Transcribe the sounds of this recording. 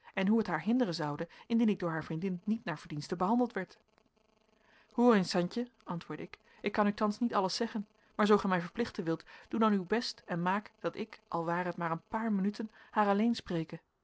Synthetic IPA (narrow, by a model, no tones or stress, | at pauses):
ɛnɦuɦətɦaːɹɦɪndərənzɑwdəɪndinɪɡ̚dʊːɹɦaːɹvrindɪnːitnaːɹv̥əɹdinstəbəɦɑndəlˠtʋɛɹt | hʊːrensɑncəʔɑntʋʊːɹdəɪk | ɪkːɑnytɑnsnitɑləsɛχən | maːɹzowχɛjmɛjvəɹplɪχtənʋɪlˠtd̥udɑnywbɛstɛnmaːkd̥ɑtɪkʔɑlˠʋaːrəɦətmaːɹənpaːɹmənytənhaːɹɑlejnsprejkə